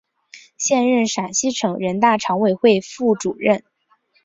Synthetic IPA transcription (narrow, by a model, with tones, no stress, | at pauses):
ɕjɛ˥˧nɻə˥˩nʂa˨˩nɕi˥ʈ͡ʂʰɤ˨˥˦ŋɻə˧˥nt̪a˥˩ʈ͡ʂʰɑ˧˥ŋwe˨˩ɪxwe˥˧ɪfu˥˩ʈ͡ʂu˨˩ɻə˥˩n